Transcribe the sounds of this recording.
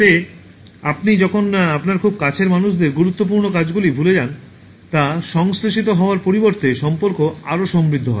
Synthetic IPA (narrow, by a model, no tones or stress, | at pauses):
e | ap̚nid͡ʑɔkʰonapnaɾkʰub̚kat͡ɕʰeɾmanuʃd̪eɾɡuɾut̪ːop̬uɾnokad͡ʑɡulibʱuled͡ʑan | t̪aʃɔŋsɾoʃit̪̬oɦɔoaɾpoɾiboɾt̪eʃɔmpoɾkoaɾoʃɔmbɾid̪ʱːoɦɔ̰